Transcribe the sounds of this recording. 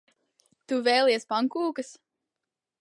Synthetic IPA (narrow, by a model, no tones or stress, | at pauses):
t̪uvɛjlˠiɛspaŋkuːkɐs